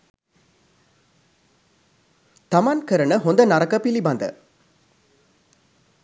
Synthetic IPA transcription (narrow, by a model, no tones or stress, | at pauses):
t̪amankəɾənəɦond̪ənaɾɐkəpilibɐnd̪ə̰